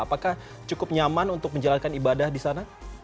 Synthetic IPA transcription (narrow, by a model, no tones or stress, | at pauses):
apakah | t͡ʃukʊp̚ɲamanunt̪ʊk̚məɲd͡ʒalankanibadahdisana